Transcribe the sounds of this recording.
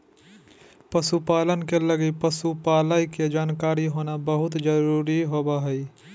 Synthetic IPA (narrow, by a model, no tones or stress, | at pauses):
pəsupaːlənkeləɡipəsupaːlaːiked͡ʒaːnkaːɾiɦoːnabəɦʊt̪d͡ʒəɾuːɾiɦoːbaɦɛi